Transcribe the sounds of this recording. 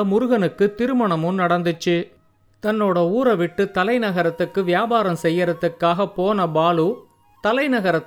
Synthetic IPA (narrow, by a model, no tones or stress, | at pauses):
mʊɾʊɣɐnɯkːɯt̪ɪɾɯmɐɳɐmɯmnɐɽɐnd̪ɯt͡ʃːɯ | t̪ɐnːoːɽɐuːɾɐʋɪʈːɯt̪ɐlɐɪnɐɣɐɾɐt̪ːɯkːɯʋɪjaːbaːɾɐmsɛjːɐɾɐt̪ːɯkːaːɣɐpːoːnɐbaːlu | t̪ɐlɐɪnɐɣɐɾɐt̪ː